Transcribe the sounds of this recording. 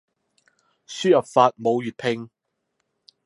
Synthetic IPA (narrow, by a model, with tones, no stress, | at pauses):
syː˥jɐ˨pfaː˧t̚mo˨˧wjyː˨t̚pʰɪ˧ŋ